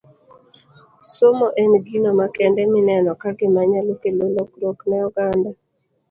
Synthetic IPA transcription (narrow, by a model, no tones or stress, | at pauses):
somoʔɛnɡinomakɛndɛmɪnɛnɔkaɡɪmaɲalokelolokloknɛɔɡanda